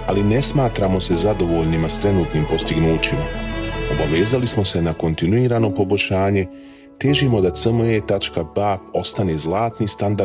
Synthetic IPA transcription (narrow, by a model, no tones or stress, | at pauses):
aline̞smaːt̪ɾamo̞se̞zad̪o̞ʋo̞ʎnimast̪ɾe̞nuːt̪niːmpo̞st̪iɡnuːt͡ɕimao̞baʋeːzalismo̞se̞nako̞nt̪inuiːɾaːno̞po̞bo̞ʃaːɲe̞ | t̪jeʒimo̞d̪at̪səmoet̪at͡ʃkabapo̞st̪anezlˠaːt̪nist̪and̪a